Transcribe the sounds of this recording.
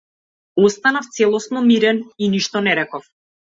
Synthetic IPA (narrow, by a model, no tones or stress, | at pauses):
ɔst̪anaft̪sɛlˠɔsnɔmiɾɛniniʃt̪ɔnɛɾɛkɔf